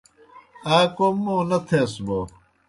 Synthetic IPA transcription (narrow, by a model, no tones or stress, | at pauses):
aːkomːõːnɐt̪ʰeːsbo